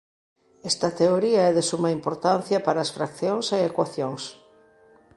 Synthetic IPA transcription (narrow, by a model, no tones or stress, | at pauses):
ɛst̪ɐt̪eoɾiɐɛðesumɐimpoɾt̪anθjɐpaɾɐesfɾakθjoŋseekwaθjoŋs